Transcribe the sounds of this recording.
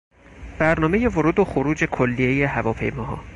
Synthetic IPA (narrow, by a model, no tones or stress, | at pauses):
b̥æɾnɒːme̞je̞voɾuːd̪oxoɾuːd͡ʒe̞kʰolːije̞je̞ɦævɒːpʰe̞̰jmɒːɦɒ̰ː